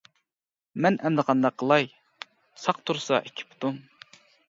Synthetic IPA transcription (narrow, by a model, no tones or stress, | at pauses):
mɛnʔɛnd̪ɨqʰɑnd̪ɑqʰːəlˠɑj | sɑqt̪ʰuɾsɑ̰ʔekʲʰi̥pʰt̪um